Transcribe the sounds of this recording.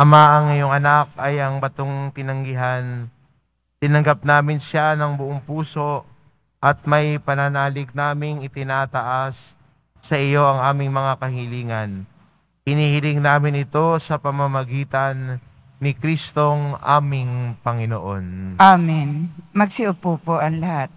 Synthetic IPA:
ʔɐmaʔɐŋjoŋɐnak̚ɐjʔɐŋbɐt̪oŋt̪ɪnɐŋɡɪɦan | t̪ɪnɐŋɡap̚naːmɪnʃanɐŋbʊʔoŋpuːso̞ | ʔɐt̪̚mɐjpɐnɐnaːlɪk̚naːmɪŋɪt̪ɪnaːt̪ɐʔasː | ɐʔɪjo̞ʔɐŋʔaːmɪŋmɐŋakɐɦɪliːŋɐn | hɪniːhɪlɪŋnaːmɪnɪt̪o̞sɐpɐmɐmɐɡiːt̪ɐnː | ɪkɾist̪o̞ŋʔa̰ːmɪŋpɐŋɪnoʔo̞nʔaminmɐɡ̚sɪʊpupoʔɐŋlɐhat̪̚

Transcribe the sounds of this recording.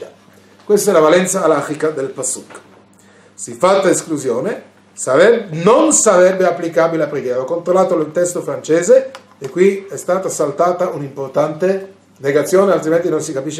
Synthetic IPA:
kwest̪oɛlavalɛnt̪saːlaxikad̪elpasːukː | sifat̪ːaeskluzjoːne | nonsaɾɛbːeapːlikaːbileapɾeɡjɛːɾaɔkːont̪ɾolːaːt̪ollt̪ɛst̪ofɾant͡ʃeːze | ekːwiɛst̪aːt̪asalt̪aːt̪aʔunimport̪ant̪e | neɡat̪sːjoːnealt̪ɾiment̪inonsikapiʃːe

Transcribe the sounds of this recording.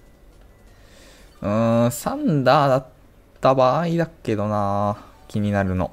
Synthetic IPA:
ɯ̟̃sãnd̪aːd̪at̪ː | abaːid̪akːe̞d̪o̞naːkʲʰiɲ̟inaɾɯ̟no̞̰

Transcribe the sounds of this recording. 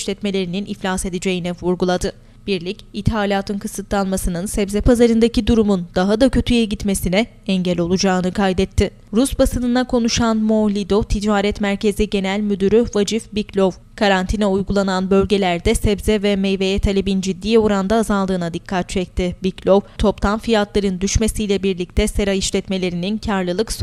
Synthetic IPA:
ʃlʲɛt̪me̞lʲe̞ɾininʔiflʲase̞d̪ed͡ʒe̞jinɛvuɾɡulˠad̪ɯ | b̥iɾlʲicit̪haːlʲaːt̪ʰɯnkʰɯsɯt̪lˠanmasɯnɯnsɛbzɛpʰazaɾɯnd̪acid̪uɾumund̪aɦad̪acʰø̞t̪ʰyjɛɟit̪me̞sinɛ | ɛɲɟɛlʲo̞lˠud͡ʒaːɯnɯkʰajd̪ɛt̪ʰːɪ | ɾusbasɯnɯnakʰo̞nuʃanmo̞lʲid̪o̞t̪ʰid͡ʒaːɾɛt̪mæɾcʰe̞ziɟe̞nælʲmyd̪yɾyvad͡ʒifbiclʲov | kʰaɾant̪ʰinɛujɡulˠananbø̞lʲɟe̞lʲæɾd̪ɛsɛbzɛvɛmejve̞jɛt̪ʰalʲebind͡ʒid̪ːiːjoɾand̪aːzalˠd̪ɯːnad̪ikʰːat̪̚t͡ʃʰɛc̚t̪ʰɪbiclʲo̞vt̪ʰo̞pt̪ʰamfijat̪lˠaɾɯnd̪yʃme̞sijlʲɛbiɾlʲic̚t̪ʰɛseɾajiʃlʲɛt̪me̞lʲe̞ɾinincʰaɾlˠɯlˠɯks

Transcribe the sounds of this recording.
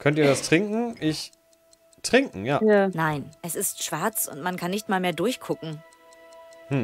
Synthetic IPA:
kʰœntiːɐdastʁ̥ɪŋkŋ̩ʔɪç | tʁ̥ɪŋkŋ̩jaːjaːnaɪnʔɛsɪstʃv̥aɐt͡sʔʊ̰ntmankʰanːɪçtmaːlmeːɐdʊɐçkʰʊkŋ̩ | hm̩

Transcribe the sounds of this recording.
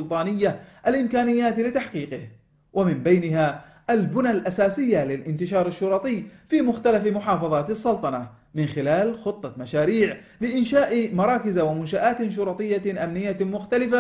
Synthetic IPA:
ʊlt̪ˤɑːnɪjːaʔalʔɪmkaːnɪjːaːt̪lɪt̪aħqiːqɪh | wʔamɪmbajnɪɦa | ʔalbʊnalʔasaːsɪjːalɪlʔɪnt̪ɪʃɑːɾˤɪʃːʊɾˤɑt̪ˤɨjfiːmʊxt̪alafmʊħɑːfɑðˤɑːt̪ɑsːɑlt̪ˤɑnɑ | mɪnxɪlaːlxʊt̪ˤːɑmaʃaːɾiːʕ | lɪʔɪnʃaːʔmɑɾˤɑːkɪzawamʊnʃaʔaːt̪ʃ̬ʊɾˤɑt̪ˤɨjːaʔamnɪjːamʊxt̪alɪfa

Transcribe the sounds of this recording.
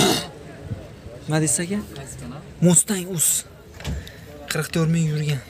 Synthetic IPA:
mad̪esaɡʲa | most̪aŋʊz̥ | qʰɨɾqt̪ʰoɾmɪŋjʊɾɡʲan

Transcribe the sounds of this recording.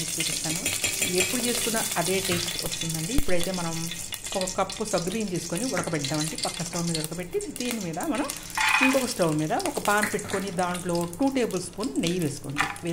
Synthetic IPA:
it͡ʃːuːt͡ʃisaːnuepːuɽut͡ʃe̞ːsu̥kunːɐʔɐd̪e̞ːʈesʈɐst̪und̪ɐɳɖiːpːuɽɐjt̪e̞ːmɐnɐm | ɔkɐkɐpːusɐɡbiːnt̪eːsu̥koniɔɽɐkɐpɛʈ̪ːaːmɐɳɖipɐkːɐsʈɐwmiːd̪ɐɔɽɐkɐpe̞ʈːid̪iːnimiːd̪ɐmɐnɐm | iŋkɔːkɐsʈɐwmiːd̪ɐɔkɐpaːnpeʈːu̥konid̪aːɳʈlo̞ːʈuːʈe̞ːbɐlspunnejʋe̞ːsu̥ko̰nd̪iʋe

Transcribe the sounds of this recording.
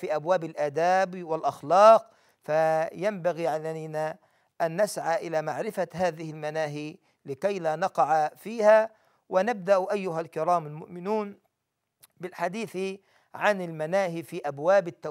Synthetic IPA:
fiːʔabwaːbɪlʔaːd̪aːbwɪlʔɑxlɑːq̚ | fajambaɣiːʕalajna | ʔanːasʕaʔɪlaːmaʕɾɪfaɦaːðɪhɪlmanaːɦiː | lɪkajlaːnɑqɑʕafiːha | wɪnab̚d̪aʔʔajːʊɦalkɪɾˤɑːmalmʊ̰ʔmɪnuːn | bɪlħad̪iːθ | ʕanɪlmanaːhifiːʔabwaːbɪt̪ːa

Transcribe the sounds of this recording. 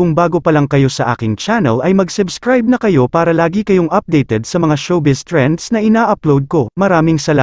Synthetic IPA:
kʊŋbaːɡo̞pɐlɐŋkɐjo̞sɐʔa̰ːkɪŋt͡ʃanɛ̰lɐjmɐɡsʊbskɾajb̚nɐkɐjo̞paːɾɐlaːɡikɐjo̞ŋʔɐp̚d̪ɛjt̪ɛd̪̚sɐmɐŋaʃowbɪst̪ɹɛnd̪snɐʔɪnaːʔɐplowd̪̚ko̞mɐɾaːmɪŋsɐla

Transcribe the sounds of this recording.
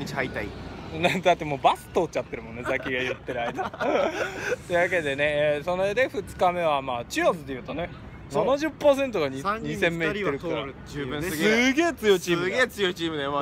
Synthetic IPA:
it͡ɕihait̪ainad̪at̪ːe̞mo̞ːbasɨ̥t̪oːt͡ɕat̪ːe̞ɾɯ̟mõ̞nːezakʲiɡajɯt̪ːe̞ɾɯ̟aid̪a | t̪e̞ɯ̟βake̞d̪e̞ne̞so̞noed̪e̞ɸɯ̟t͡sɨ̥kame̞β̞amaːt͡ɕɨat͡sɨd̪ejɯ̟ːt̪o̞ne̞ | nanaʑɨpːaːs̬e̞nt̪o̞ɡaɲiɲ̟isẽ̞mːe̞it̪ːeɾɯkaɾa | sɨɡe̞ːt͡sɨjo̞it͡ɕiːɡeːt͡sɨjoit͡ɕiːmɯd̪e

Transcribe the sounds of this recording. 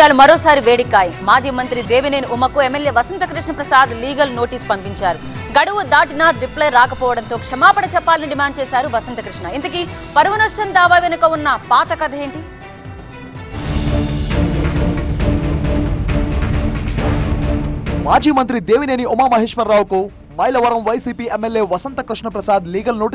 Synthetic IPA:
aːlumɐɾoːsaːɾiʋe̞ːɽikːaːjimaːd͡ʒiːmɐnt̪ɾid̪e̞ːʋineːniʔumɐkuemːeljeːʋɐsɐnt̪ɐkɾiʂɳɐpɾɐsaːd̪liːɡɐlno̞ːʈiːspɐmpiɲt͡ʃaːɾuɡɐɽuʋud̪aːʈinaːɾɾiplɐjɾaːkɐpɔːʋɐɽɐnt̪o̞ːkʂɐmaːpɐɽɐt͡ʃɛpːaːlɐniɖimaːɳɖ̚t͡ʃɛːsaːɾuʋɐsɐnt̪ɐkɾiʂɳɐint̪ɐki | pɐɾʋɐnɐʂʈɐnd̪aːʋaːʋenukɐunːɐpaːt̪ɐkɐd̪ʱɐeːɳʈi | maːd͡ʒiːmɐnt̪ɾid̪eːʋineːniumaːmɐɦiːʂʋɐɾːaːwuku | mɐjlɐʋɐɾɐmʋɐjsiːpiːemːeljeːʋɐsɐnt̪ɐkɾiʂɳɐpɾɐsaːd̪liːɡɐlnoːʈi

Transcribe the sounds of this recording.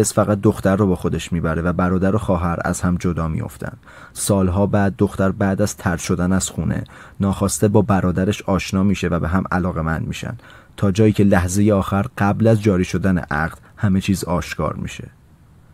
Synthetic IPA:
esfæɣæt̪̚d̪oxt̪æɾːɔːbɒːxo̞d̪e̞ʃmiːbæɾe̞væbæɾɒːd̪æɾoxɒːɦæɾæ̰z̥hæmd͡ʒo̞d̪ɒːmḭjo̞̰ft̪ʰæ̰nd̪̥ | sɒːlɦɒːbæːd̪̚ːo̞xt̪æɾbæːd̪æz̥t̪ʰæɾʃo̞d̪ænæz̥xuːnʔḛ | nɒːxɒːst̪ebɒːbæɾɒːd̪æɾeʃɒːʃnɒːmiːʃe̞væbeɦæmæ̰lɒːɣe̞mænd̪mḭːʃæ̰nd̪̥ | t̪ʰɒːd͡ʒɒːjiːcʰe̞læhzejeɒːxæɾɢ̥æblæzd͡ʒɒːɾiːʃo̞d̪ænḛʔæ̰ɢd̪̥hæme̞t͡ʃʰiːzɒːʃkʰɒ̰ːɾmḭːʃe̞̰

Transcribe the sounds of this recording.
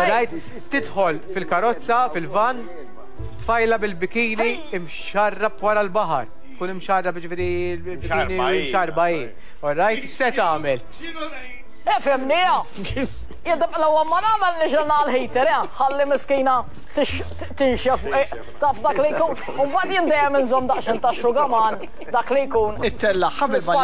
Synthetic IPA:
ɔɾːɐjt̪ː | ɪt̪ħɔlfɪlkɐɾɔt͡sːɐfɪlvɐnː | t̪fɐjlɐbɪlbɪkiːni | ɪmʃʃɐrːɐpwɐɾɐlbɐħɐ̰ɾ | t̪kuːnɪmʃɐrːɐpjd͡ʒɪfɪːɾi | lbɪkiːnimʃɐɾbɐiːn | ɔɾːɐjtt̪sɛt̪ɐːmɛl | ɛfɛmnɪːɐ | jɪd̪ɐlɐwːɐmɐnɐːmɛlnɪʃɛlnɐlħɛjt̪ɛɾɛħɐlːɪmɪskiːnɐ | t̪ɪʃ | t̪ɪnʃjɛfʔʔ | t̪ɐːfd̪ɐːklijkuːn | ʊmbɐːt̪jɪnd̪ɛjɛmɪnzɔmːd̪ɐʔʃɪnt̪ɐʃːʊɡɐmɐːn | d̪ɐːklɪjkuːnɪt̪ːɛlːɐħɐɪsɐ

